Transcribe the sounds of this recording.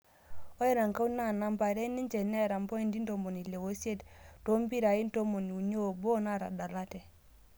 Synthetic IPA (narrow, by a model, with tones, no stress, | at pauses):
o˦ɛ˦ɾa˨ŋka˦u˦na˦˨na˦mba˨ɾɛ˦ni˦ɲt͡ʃɛ˨nɛ˦˨ɾa˨mbɔ˦i˦˨ndi˦n˦do˨mo˨ni˨le˨wo˦se˦tto˦mbi˦ɾa˨i˦nto˦mo˨ni˨u˨ɲo˦˨bo˦na˦˨ɾa̰˨da˨la˦tɛ˨